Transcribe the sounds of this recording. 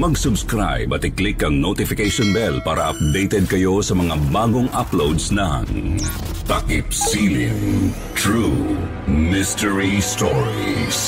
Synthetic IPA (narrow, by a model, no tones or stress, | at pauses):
mɐɡsʊbskɾa̰jbɐt̪ɪklɪkːɐŋnot̪ɪfɪkejʃɔnbɛlpaːɾɐ̰ʔɐ̰p̚d̪ejt̪ɛd̪̚kɐjo̞sɐmɐŋabaːɡoŋʔaplowd̪snɐŋ | t̪ɐkɪpsilɪŋ | t̪ɹu | mɪstɛɹistɔɹis